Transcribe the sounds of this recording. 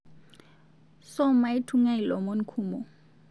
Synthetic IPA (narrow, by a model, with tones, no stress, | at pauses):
sɔ˦ma˨i˦tʰu˦ŋa˦i˨lɔ˨mo˦n̩˦kʰuːmɔ˨